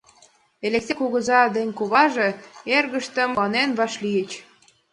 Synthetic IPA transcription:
elʲeksekuɣə̆zɑd̪enʲkuβɑʒeerɣə̆ʃt̪ə̆mɑnenβɑʃlijət͡ɕ

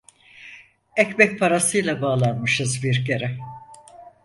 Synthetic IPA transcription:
ɛcbɛc̚pʰaɾasɯjlˠabaːlˠanmɯʃɯzbiɾcʰeɾɛ

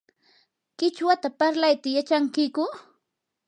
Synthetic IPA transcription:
kɪt͡ʃwat̪apaɾlajt̪ajat͡ʃaŋkɪkʊ

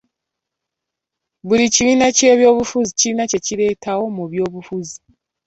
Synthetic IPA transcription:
βuɾiciβiːnace̞ːβjo̞ːβufuziciiːnace̞ciɾe̞ːtawo̞muβjo̞ːβufuzi

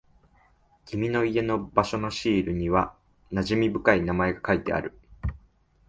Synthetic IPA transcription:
kʲimʲino̞ie̞no̞baɕo̞no̞ɕiːɾɯ̟ɲ̟iβa | naʑimʲibɯ̟kainamae̞ɡakait̪e̞̰a̰ɾɯ̟

